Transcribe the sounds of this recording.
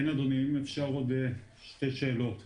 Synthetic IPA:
enad̪onimefʃaʁod̪e | ʃt̪eʃeːlot̪

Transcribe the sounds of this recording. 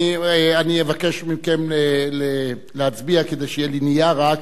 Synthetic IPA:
ieanievake̞ʃmimkemlele | leat͡sbiaked̪e̞jʃeijelinijaʁak

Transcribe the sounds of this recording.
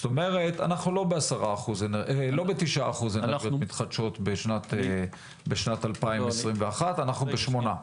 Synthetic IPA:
st̪ome̞ʁet̪a̰naχnulo̞beasaʁaːχuznlo̞betiʃʔaaχuzenejomit̪χadʃo̞tbeʃnat̪e | beʃnatalpaimmesʁimveaχatanaχnubeʃmo̞na

